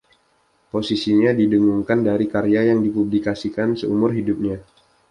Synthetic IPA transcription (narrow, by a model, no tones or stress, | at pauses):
posisiɲadidəŋuŋkandaɾikaɾeajaŋdipublikasikansəumʊrɦidup̚ɲa